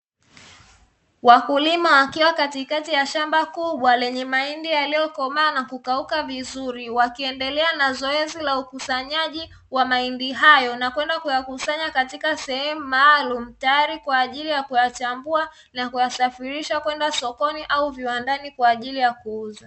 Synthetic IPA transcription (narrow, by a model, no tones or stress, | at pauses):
wakulimawakiwakatikatijaʃambakuɓwalɛɲɛmaindijalijɔkɔmanakukaukavizuɾiwakiɛndɛlɛanazɔɛzilaukusaɲaʄi | wamaindiɦajɔnakwɛndakujakusaɲakatikasɛhɛmumaːlum̩tajaɾikwaːʄilijakujat͡ʃambua | nakujasafiɾiʃakwɛndasɔkɔniʔauviwandanikwaːʄilijakuuza